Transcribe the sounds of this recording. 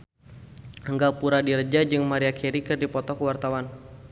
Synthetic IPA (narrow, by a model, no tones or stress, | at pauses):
əŋɡapuɾadirəd͡ʒad͡ʒɨŋmaɾiakʰiɾikɨrdipɔt̪ɔkəwart̪awan